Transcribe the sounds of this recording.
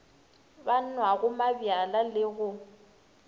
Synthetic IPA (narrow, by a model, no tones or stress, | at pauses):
ban̩nwaɣʊmabjalalɪɣʊ